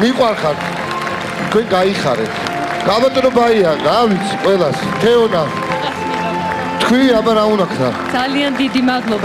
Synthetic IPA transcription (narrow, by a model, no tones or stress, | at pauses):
miqʼwaɾχaɾt̪ʰ | t̪kʰwɛŋɡaiχa̰ɾɛ̰t̪ʰ | ɡ̥amat̪ʼɾɔbaiaɾawit̪sʰiqʼwɛlas | t̪ʰɛɔna | t̪ʰkʰwiabaɾaunakʰna̰d̪zaliand̪id̪imad̪lˠɔba